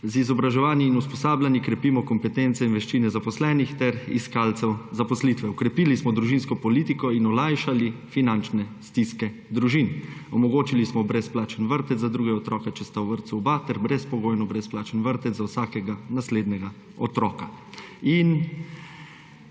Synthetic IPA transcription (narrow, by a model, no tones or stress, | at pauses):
zizɔbɾaʒɛʋaːniinuspɔsaːblʲjanikɾɛpiːmɔkɔmpɛt̪ent̪sɛinʋɛʃt͡ʃinɛzapɔslɛːnixt̪ɛɾḭskalt̪sɛwzapɔslit̪ʋɛɔkɾɛpiːlismɔd̪ɾuʒinskɔpɔlit̪ikɔinɔlajʃalifinant͡ʃnɛst̪iskɛ | d̪ɾuʒinɔmɔɡoːt͡ʃilismɔbɾɛsplaːt͡ʃənʋəɾt̪ɛzad̪ɾuːɡɛɔt̪ɾɔːkɛt͡ʃɛst̪awʋəɾt̪suubat̪ɛɾbɾɛspɔɡoːjnɔbɾɛsplaːt͡ʃənʋəɾt̪ɛzawsaːkɛɡanasleːd̪nɛɡa | ɔt̪ɾɔːkain